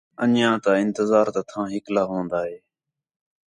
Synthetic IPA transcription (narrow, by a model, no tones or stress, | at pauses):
ənjãːt̪aːɪnt̪əzaːɾt̪at̪ʰãːɦɪklaːɦõːnd̪aːɦeː